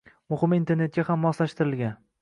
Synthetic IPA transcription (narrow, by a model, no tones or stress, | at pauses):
mʊhɪmint̪ʰe̞ɾne̞t̪̚ɡʲahamːɒslaʃt̪ɪɾɪlɡʲan